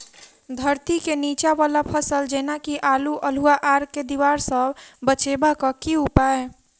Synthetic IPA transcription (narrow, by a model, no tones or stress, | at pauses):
d̪ʱəɾt̪ikeniːt͡ʃaʋaːlapʰəsəld͡ʒeːnakiʔaːluʔəluaʔaːɾked̪iʋaːɾsə̃bət͡ʃebakakiupae